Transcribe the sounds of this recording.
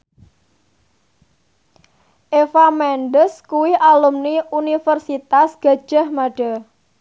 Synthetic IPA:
ʔefamɛnɖəskuwiʔalumniunifərsit̪asɡ̥a̤d̥ʒ̥a̤hmaɖ̥a

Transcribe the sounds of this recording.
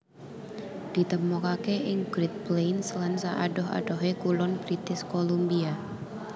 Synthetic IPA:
d̪̥i̤t̪əmɔkakeʔɪŋɡ̥ɾɪt̪̚plenslansaʔa̰ɖɔɦa̰ɖɔɦekulɔnb̥ɾit̪ɪskolumbia

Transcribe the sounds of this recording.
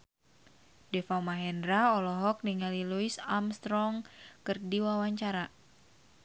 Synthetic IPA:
dɛfawmaɦɛndɾaɔlɔɦɔk̚niŋaliluisamst̪ɾɔŋkɨrdiwawaɲt͡ʃaɾa

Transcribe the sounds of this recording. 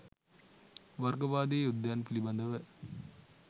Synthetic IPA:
ʋɐɾɡɐʋaːd̪eːjud̪jaːnpilibɐnd̪ɐʋɐ

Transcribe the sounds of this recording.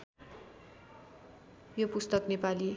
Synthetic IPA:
jopust̪ʌknepali

